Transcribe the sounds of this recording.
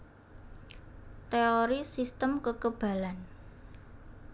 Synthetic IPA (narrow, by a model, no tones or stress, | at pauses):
t̪eoɾisist̪əmkəkəb̥ä̤lan